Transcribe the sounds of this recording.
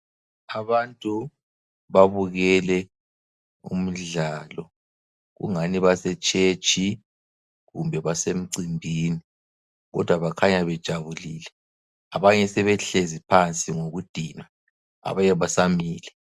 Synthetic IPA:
aβantʼu | βaβuɣɛlɛ | ṵm̩ɮaːlɔ | ɣṵŋaniβasɛt͡ʃʼet͡ʃʼʰi | ɣumbʱɛβasem̩ǀimbʱiːni | ɣɔ̰d̥ʱwaβakʰaɲaβɛd̥ʒ̥ʱaβuliːlɛ | aβaɲɛsɛβɛɬezipʰant͡sʼiŋoɣud̥ʱiːna | a̰βajɛβasamiːlɛ

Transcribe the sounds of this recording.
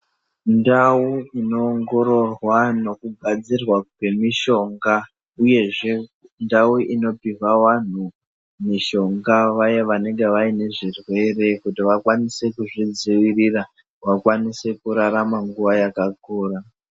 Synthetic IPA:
ndawuino̞ːŋɡo̞ɾo̞rwano̞kuɡʱad͡zirwakwe̞miʃo̞ŋɡa | uje̞ʐe̞ | ndauʔino̞piwawan̤u | miʃo̞ŋɡaʋajeʋane̞ŋɡe̞ʋaine̞ʐirwe̞re̞kutiʋakwanise̞kuʐid͡ziwirira | ʋakwanise̞kuɾaɾamaŋɡuʋajakakoːra

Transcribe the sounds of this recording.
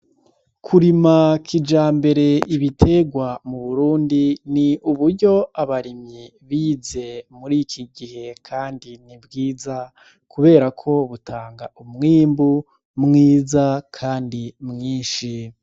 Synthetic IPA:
kʰuɾimakʰid͡ʒaːmbe̞ɾe̞ʔiβitʰe̞ɡwamuβuɾuːndiniuβuɾɟo̞aβaɾimɲi | βiːze̞muɾikʰiɡihe̞kʰaːndinibɡiːza | kʰuβe̞ːɾakʰo̞βutʰaːŋɡaumŋiːmbu | mŋiːzakʰaːndimŋiːnʃi

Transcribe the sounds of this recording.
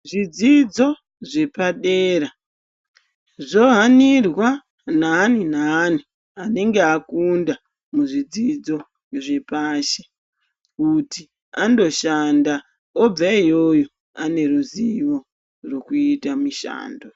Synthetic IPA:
ʐid͡zid͡zo̞ | ʐe̞paɗeːra | ʐo̞ɦanirwa | naːninaːni | ane̞ŋɡeakunda | muʐid͡zid͡zo̞ | ʐe̞paːʃe | kuti | ando̞ʃanda | ob͡vaijo̞jo̞ | ane̞ɾuziwo̞ | ro̞kuitamiʃa̰ːndo

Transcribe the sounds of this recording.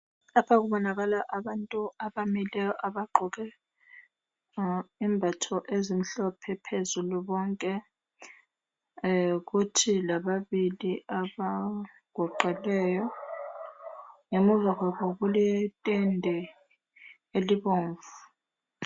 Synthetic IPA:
lapʰak̬uɓɔnaɣ̬alaʔaɓantʼuaɓamilɛjɔʔaɓaɡ͡ǃʱɔk̬ɛ | imbʱatʰɔʔezim̩ɬɔpʰɛpʰezuluɓɔŋkʼɛ | k̬utʰilaɓaɓiliaɓa | ɡ̥ʱɔǃɛlɛːjɔ | ŋemuvak̬aɓɔkulɛtʼɛndʱɛ | eliɓoːɱvu

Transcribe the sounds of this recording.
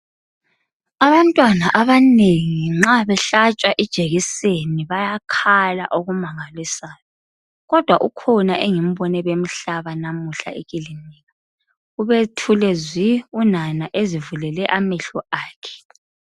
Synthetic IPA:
aβantʼwanaʔaβaneŋiŋ͡ǁaβɛɬat͡ʃʼwaʔid̥ʒ̥ʱeɣiseniβajakʰala̰ʔoɣumaŋalisaːjɔ | ɣɔd̥ʱwaʔukʰɔnaʔeŋim̩βɔnɛβem̩ɬaβanamuɬa̰ʔeɣʼiliniːɣa | uβetʰulɛziunanaʔezivulɛlɛʔamɛɬɔʔaːkʰɛ̥

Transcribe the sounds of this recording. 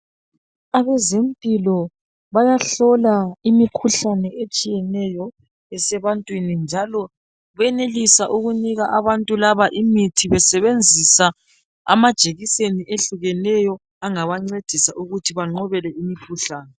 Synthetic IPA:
aβɛzem̩pʼilɔ | βajaɬɔlaimikʰuɬanɛet͡ʃʼijɛnɛjɔ | ɛsɛβantʼwinind͡ʒʱalɔ | βɛnelisaʔuɣuniɣaʔaβantʼulaβaʔimitʰiβɛsɛβend͡zʱisa | a̰mad̥ʒ̥ʱeɣiseniʔeɬuɣɛnɛjɔ | aŋaβaŋ͡ǀed̥ʱisaʔuɣutʰiβaŋ͡ǃɔβɛlɛimikʰuɬaːnɛ

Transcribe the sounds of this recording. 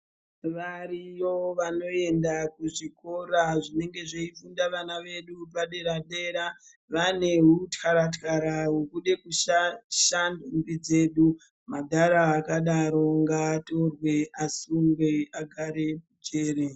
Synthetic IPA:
ʋaɾijoʋano̞e̞ndakuʐiko̞ɾaʐine̞ŋɡe̞ʐeifundaʋanaʋe̞ɗupaɗe̞ɾaɗe̞ɾa | ʋane̞ɦutkaɾatkaɾaɦukuɗe̞kuʃaʃandumbid͡ze̞ːɗu | madʱaɾaːkaɗaɾo̞ŋɡaːto̞rwe̞asumbwe̞aɡʱaɾe̞put͡ʃeːɾe

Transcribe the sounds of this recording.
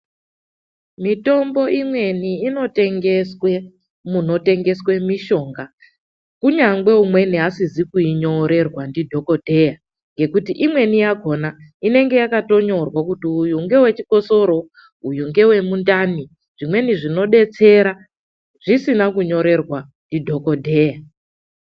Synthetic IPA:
mito̞mbo̞ʔimwe̞niːno̞te̞ŋɡe̞swe̞ | muno̞te̞ŋɡe̞swe̞miʃo̞ːŋɡa | kuɲaŋɡe̞umwe̞niɦasizikuiɲo̞ɾe̞rwandidʱo̞ko̞dʱe̞ja | ŋɡe̞kutiʔimwe̞nijaɡʱo̞naine̞ŋɡe̞jakato̞ɲo̞rwakutiːjuŋɡe̞we̞t͡ʃiko̞so̞ɾo̞ | ujuŋɡe̞we̞mundani | ʐ̥imwe̞niʐino̞ɗe̞t͡se̞ɾa | ʐisinakuɲo̞ɾe̞rwa | ndidʱo̞ko̞dʱeja

